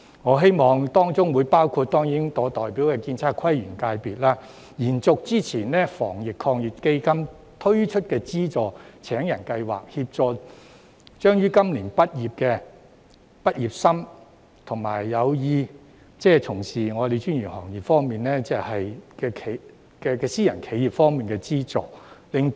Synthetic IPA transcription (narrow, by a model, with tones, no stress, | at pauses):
ŋɔː˨˧ɦe˥jmɔː˨˧ŋt̪ɔː˥ŋt͡sʊ˥ŋwuː˨˧jpaː˥wkʰuː˧t̚t̪ːɔː˥ŋji˨˥ŋt̪ɔː˨˧t̪ɔː˨˩jpi˨˥wkɛː˧kiː˧nt͡sʰaː˧˥t̚kʰwɐ˥jɥyː˨˩nkaː˧jpiː˨˩t̚laː˥ | jiː˨˩nt͡sʊ˨k̚t͡siː˥t͡sʰiː˨˩nnɛː˥fɔː˨˩ŋjɪ˨kkʰːɔː˧ŋji˨˩p̚ke˥jkɐ˥m | t̪ʰɵ˥ɥt͡ʃʰɵ˥t̚kɛː˧t͡siː˥t͡sɔː˨t͡sʰɛː˨˥ŋjɐ˨˩nkɐ˧jwa̰ː˨˩k̚hiː˧p̚t͡sɔː˨ | t͡ʃœː˥ŋjyː˥kɐ˥mliː˨˩npɐ˥t̚jiː˨˩p̚kɛ˧ | pɐ˥t̚jiː˨p̚sɐ˥m | t̪ʰʊ˨˩ŋma̰ː˨˩jːɐ˨˧wjiː˧ | t͡sɛː˥t͡sʰʊ˨˩ŋsiː˨˩ŋɔː˨˧d̪e˨jt͡ʃyː˥nɥyː˨˩nhɔː˨˩ŋjiː˨˩p̚fɔː˥ŋmiː˨nlɛː˥t͡sɛ˨˧hɐ˨jkɛː˧kʰe˨ | kɛː˧kɛː˧siː˥jɐ˨˩nkʰe˨˥jiː˨p̚fɔː˥ŋmiː˨nkɛː˧t͡siː˥t͡sɔ̰ː˨lɪ˨ŋ